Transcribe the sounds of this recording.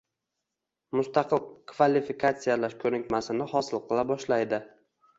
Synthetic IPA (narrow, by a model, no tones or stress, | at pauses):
mʊst̪ɑqʰɨlˠkʰvalifikʰat̪sijalaɾkʰɵnɪkʲmasɪnɪhɒsɪlˠqʰɨlˠabɒʃlajd̪ɪ